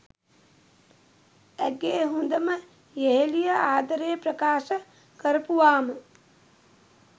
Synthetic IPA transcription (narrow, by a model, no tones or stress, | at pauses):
æɡeːɦund̪əmə | jeɦelijəaːd̪ɐɾeːpɾəkaːʃə | kəɾɐpuʋaːmə